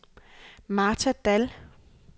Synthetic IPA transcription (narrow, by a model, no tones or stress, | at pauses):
mɑ̈ːt͡sʰæd̥æl